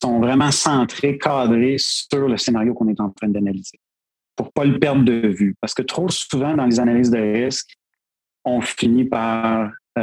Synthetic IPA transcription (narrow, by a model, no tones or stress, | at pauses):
sɔ̃vʁɛmɑ̃sɑ̃t̪χekʰɑːd̪ʁesyʁləsenaʁjokɔ̃nɛt̪ɑ̃t̪χɛ̃d̪analiz̥e | puʁpalpɛʁd̪d̪əvypaʁsə̥kət̪χosuvɑ̃d̪ɑ̃lezanaliːzd̪əʁɪskʲ | ɔ̃finipaʁ